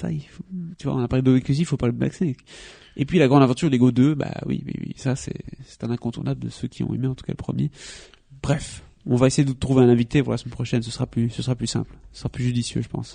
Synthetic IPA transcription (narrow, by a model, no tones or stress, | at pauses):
sa̰ifot̪yvwã̰napaʁled̪oikyzifopaləba̰ksɛ̃k | epɥilaɡʁɑ̃d̪avɑ̃t̪yʁleɡod̪øba̰wḭwḭwḭsasɛ̰sɛ̥t̪ɛ̃nɛ̃kɔ̃t̪uʁnabləd̪əsøkʲiɔ̰̃ḛmeɑ̃t̪u̥ka̰ləpχəmje | b̥ʁɛf | ɔ̃vaesejed̪əət̪χuveɛ̃nɛ̃vit̪epuʁlasmɛnpχɔʃɛnsəsəʁaplysəsəʁaplysɛ̰̃plsəsəʁaplyʒyd̪isjø̰ʒəpɑ̰̃s